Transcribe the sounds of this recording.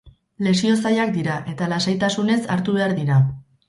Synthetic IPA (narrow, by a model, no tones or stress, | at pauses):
le̞sio̞sajakd̪iɾaʔe̞t̪alasajt̪asune̞saɾt̪uβe̞aɾðiɾa